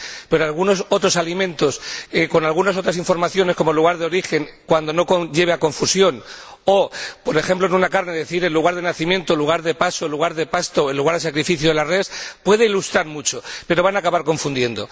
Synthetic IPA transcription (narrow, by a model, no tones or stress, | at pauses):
pe̞ɾoalɣunoso̞t̪ɾo̞salimẽnt̪o̞sko̞nalɣunaso̞t̪ɾas̬iɱfo̞ɾmaθjo̞ne̞sko̞moluɣ̞aɾðeo̞ɾixe̞ŋkwand̪o̞no̞koɟ͡ʝe̞β̞eako̞ɱfusjo̞n | o̞po̞ɾe̞xe̞mploenunakaɾne̞ðe̞θiɾe̞lːuɣ̞aɾðe̞naθimjẽ̞nt̪oluɣ̞aɾðe̞pasolːuɣ̞aɾðe̞past̪oelːuɣaɾðe̞sakɾifiθjoðelarespwe̞ðe̞ilust̪ɾaɾmut͡ʃo̞pe̞ɾo̞βanakaβaɾko̞ɱfund̪je̞nd̪o̞̰